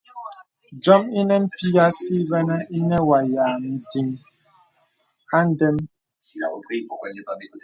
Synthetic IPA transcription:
d͡ʒɔ˦mi˦nɛ˦m̩˦pi˦ja˦si˦bɛ˦nɛ˦i˦nɛ˦wa˨jaː˨n̩˨di˨m | a˦n̩˦dɛ˦m

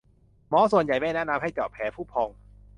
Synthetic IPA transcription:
mɔː˦˥su˨˩ənja˨˩jmɛː˥˩nɛː˥˩na˧mha˥˩jt͡ɕɔː˨˩pʰːɛː˩˨˦pʰuː˥˩pʰɔː˧ŋ

